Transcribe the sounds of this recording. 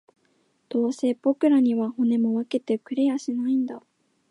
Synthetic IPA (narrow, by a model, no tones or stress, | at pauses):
d̪̥o̞ːse̞b̥o̞kɯ̟ɾaɲ̟iβaho̞ne̞mo̞βake̞t̪e̞kɯ̟ɾe̞jaɕinaĩnd̪a